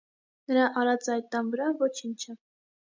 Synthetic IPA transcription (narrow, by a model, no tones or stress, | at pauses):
nəɾɑʔɑɾɑt͡sɑjt̪̚ːɑnvəɾɑvɔt͡ʃʰint͡ʃʰə